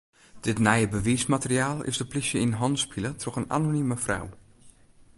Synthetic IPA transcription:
d̥ɪtnɛjəbəʋiːsmatəriaːlˠɪ̰sdəplisjəinɦɔnspʰilətʰrɔxəna̰noniməfra̰w

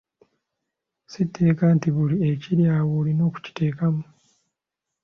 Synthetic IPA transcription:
sitʰːe̞ːkaːntiβulieciɾjaːwulino̞ːku̥ci̥te̞ːkamu

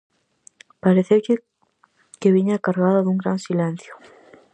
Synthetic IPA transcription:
paɾeθew | keβiɲakaɾɣaðaðuŋɡɾansilɛ̃n̟θjʊ̥

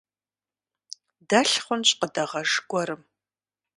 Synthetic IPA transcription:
dɐɬχʷʊnɕʼqədɐʁɐʐɡʷɔɾɨm

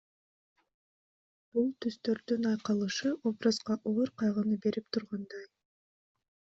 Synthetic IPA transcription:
b̥ulˠt̪ʰyz̥t̪ø̞ɾd̪ynɑjqɑlˠɯʃɯʔo̞brɑzʁɑʔoɾqʰɑjʁɯnɯbe̞ɾipt̪ʰuɾʁɑnd̪ɑj

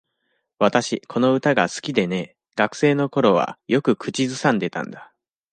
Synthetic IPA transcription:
βat̪aɕikʰo̞no̞ɯ̟t̪aɡasɨ̥kʲid̪e̞ne̞ | ɡ̥akɯ̟̥se̞ːno̞ko̞ɾo̞βa̰jo̞kɯ̟kɯ̟t͡ɕizɨsãnd̪e̞t̪ã̰nd̪a

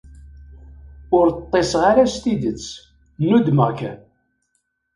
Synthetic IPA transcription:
ʊɾt̪ˤːesʁaɾast̪id̪ət͡sː | nːud̪məʁkæ̰

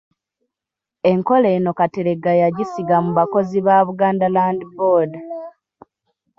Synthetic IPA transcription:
e̞ŋko̞leːno̞kateɾe̞ɡajaɟisiɡamuβako̞ziβaːβuɡaːndalaːndiboːda

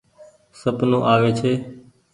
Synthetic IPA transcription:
səpnõːʔaːʋeːt͡ʃʰeː

